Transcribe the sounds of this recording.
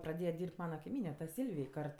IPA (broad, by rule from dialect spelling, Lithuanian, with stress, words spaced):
prɐˈdʲeːjɛ ˈdʲiːrʲpʲtʲ ˈmɑːnɐ kɐɪˈmʲiːnʲɛ tɐ ˈsʲiːlʲʋʲɪj ˈkɐrt